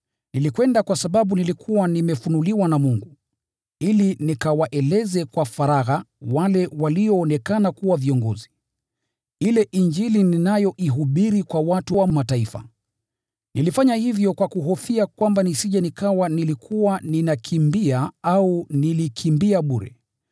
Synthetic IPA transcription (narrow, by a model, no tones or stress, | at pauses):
nilikwɛndakwasaɓaɓunilikʰuwanimɛfunuliwanamuŋɡu | ilinikawaʔɛlɛzɛkwafaɾaɣawalɛwaliɔːnɛkanakuwaviɔŋɡɔzi | ilɛʔiɲd͡ʒilininajɔʔiɦuɓiɾikwawatuwamataifa̰ | nilifaɲahivjɔkwakuɦɔfiakwambanisiʄanikawanilikʰuwaninakʰimbiaaunilikʰimbiaɓuɾɛ̰